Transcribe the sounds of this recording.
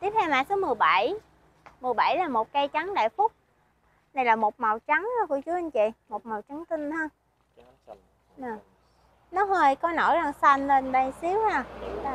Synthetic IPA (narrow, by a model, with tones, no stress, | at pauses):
t̪i˦˥əp̚t̪ʰɛ˧wma̰ː˧˨so˨˦mɨ˨˩əjɓa˧˩˨j | mɨ˨˩əjɓa˧˩jlaː˨˩mo˨˩t̚kaː˧jt͡ɕa˨˦ŋɗa̰ː˧˨jfʊ˦˥k͡p̚ | na˧˩jlaː˨˩mo˨˩t̚ma˨˩wt͡ɕa˨˦ŋː˧˨˦ku˧˩ət͡ɕu˨˦ʔa˧ŋt͡ɕḭ˧˨mo˨˩t̚ma˨˩wt͡ɕa˨˦ŋt̪i˧nhə˧ | ʔəː˨˩ | nɔ˨˦ɦəː˨˩jkɔ˧˦no̰˧˩˦jza˨˩ŋsa˧nle˧nɗə˧˩jsi˨˦əwhaː˧˩